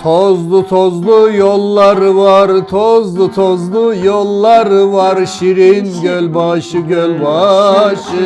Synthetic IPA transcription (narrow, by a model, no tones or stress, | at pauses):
t̪ʰozd̪ʊt̪ʰozlˠʊjolˠːɑɾɨvɑɾt̪ʰozd̪ʊt̪ʰozlˠujolˠːɑɾɨvɑɾʃiɾinɡʲølbɑʃɨɡʲølbɑʃɨ